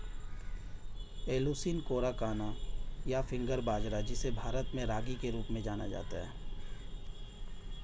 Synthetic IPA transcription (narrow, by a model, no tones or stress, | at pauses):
eːluːsiːnkoːɾakaːnajafʰɪ̃ŋɡəɾbaːd͡ʒɾad͡ʒɪsebʱaːɾət̪mẽɾaːɡikeɾuːpmẽd͡ʒaːna̰d͡ʒa̰ːt̪aɦɛ̰ː